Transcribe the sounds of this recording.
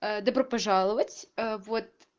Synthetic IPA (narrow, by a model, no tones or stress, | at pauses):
əd̪ɐbɾopɐʐalˠəvətʲəvot̪̚